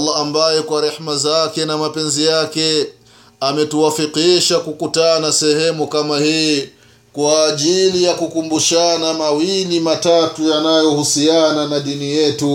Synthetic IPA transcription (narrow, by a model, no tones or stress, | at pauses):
lːaambajɛkwaɾɛħmazakɛnamapɛnzijakɛ | amɛtuwafiqiʃakukutanasɛhɛmukamahiː | kwaːʄilijakukumbuʃanamawilimatatujanajɔhusiananaɗinijɛtu